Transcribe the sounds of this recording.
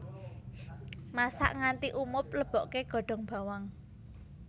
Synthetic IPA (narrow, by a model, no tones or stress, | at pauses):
masa̰ʔŋant̪iʔumʊp̚ləb̥ɔ̤ʔkeɡ̥ɔ̤ɖ̥ɔ̤ŋb̥a̤waŋ